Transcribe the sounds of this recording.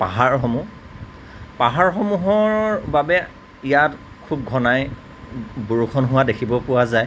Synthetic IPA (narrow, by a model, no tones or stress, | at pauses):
paɦaɹxɔmu | paɦaɹxɔmuɦɔɹbabɛ | ijat | kʰub̚ɡʱɔnaj | buɹukʰɔnɦʊwadekʰibɔpʊwazaj